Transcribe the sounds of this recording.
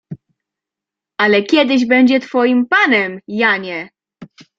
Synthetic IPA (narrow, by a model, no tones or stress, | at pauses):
alɛkʲjɛd̪ɘʑbɛɲd͡ʑɛt̪fɔjimpanɛmjaɲɛ